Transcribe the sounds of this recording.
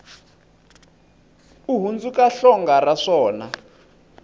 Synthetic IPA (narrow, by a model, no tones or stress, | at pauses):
uɦund͡zukaɬɔŋɡaraʂɔːna